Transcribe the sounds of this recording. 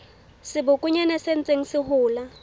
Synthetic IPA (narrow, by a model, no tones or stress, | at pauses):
sɪbʊkʼʊɲanasen̩t͡sʼeŋ̩sɪhʊːla